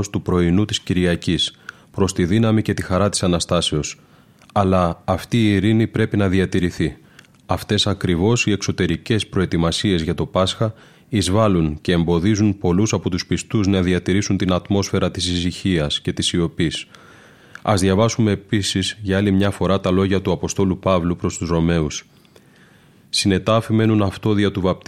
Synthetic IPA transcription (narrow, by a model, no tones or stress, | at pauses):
st̪upɾo̞inut̪isciɾʝiɐcis | pɾo̞st̪iðinɐmice̞t̪ixɐɾɐt̪i̥sɐnɐst̪ɐse̞o̞s | ɐlɐːft̪iːɾinipɾe̞pinɐðiɐt̪iɾiθi | ɐft̪e̞sɐkɾivo̞sie̞kso̞t̪e̞ɾice̞spɾo̞e̞t̪imɐsie̞zʝɐt̪o̞pɐsxɐ | izvɐlunce̞ːmbo̞ðizunpo̞lusɐpo̞t̪uspist̪uznɐðiɐt̪iɾisunt̪inɐt̪mo̞sfe̞ɾɐt̪isisiçiɐsce̞t̪isio̞pis | ɐ̰zðʝɐvɐsumepisizʝɐɐlimɲɐfo̞ɾɐt̪ɐlo̞ʝɐt̪uɐpo̞st̪o̞lupɐvlupɾo̞st̪uzɾo̞me̞us | sine̞t̪ɐfime̞nunɐft̪o̞ðiɐt̪uvɐp̚t̪